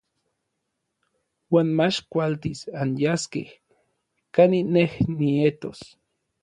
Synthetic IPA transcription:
waːnmat͡ʃkʷalt̪isanjaskḛh | kaninehniet̪os

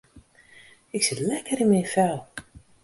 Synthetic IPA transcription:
ɪksɪtlɛkəɾɪnmɛjnfɛlˠ

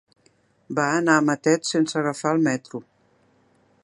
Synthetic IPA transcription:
baənaəmət̪ɛt̪sensəɣəfaəlˠmɛt̪ɾu

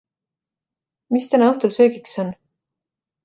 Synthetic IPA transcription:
mist̪ænɑɤht̪ulsøːɡikso̞n

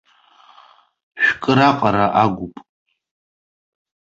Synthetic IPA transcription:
ʃᶣkʼɨɾaqʼaɾaʔaɡʷʊpʼ

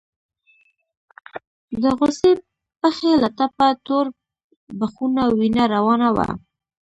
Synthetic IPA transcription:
d̪əɣose | pəxelat̪apat̪oɾ | baxunawinaɾawɑnawa̰

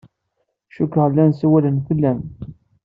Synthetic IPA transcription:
ʃukːəʁlːænsæwælənfəlːæn

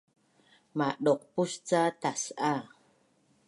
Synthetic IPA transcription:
maɗɔq̚pust͡sat̪asʔa

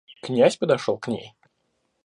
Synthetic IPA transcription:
knʲæsʲpəd̪ɐʂolˠknʲḛj

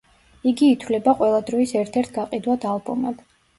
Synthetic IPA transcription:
iɡiːt̪ʰwlɛbaqʼwɛlˠad̪ɾɔisɛɾt̪ʰɛɾt̪ʰɡaqʼid̪wad̪alˠbɔmɛb̥

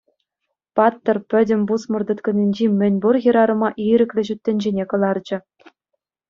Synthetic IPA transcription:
pɑt̪ːɤ̆rpʲɘ̆dʲɘ̆mʲbusmɤ̆rd̪ɤ̆t̪kɤ̆nʲinʲd͡ʑimʲɘ̆nʲburjɤ̆ɾɑɾɤ̆mɑʔiɾʲɘ̆kʲlʲɘ̆ʑyt̪ʲːɘ̆nʲd͡ʑenʲekɤ̆lˠɑrd͡ʑɘ̆

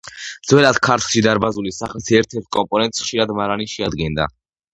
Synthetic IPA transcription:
d̪z̥wɛlat̪kʰaɾt̪ʰlˠʃid̪aɾbazulisaχlisɛɾt̪ʰɛɾt̪̚ʰkʼɔmpʼɔnɛnt̪ʼsχʃiɾad̪maɾaniʃɛad̪ɡɛnd̪a̰

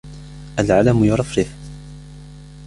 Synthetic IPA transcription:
ʔalʕalamjʊɾˤɑfɾɪf

